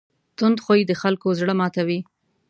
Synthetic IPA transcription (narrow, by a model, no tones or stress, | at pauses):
t̪ʊnd̪xojid̪əxalkozɽəmɑt̪awi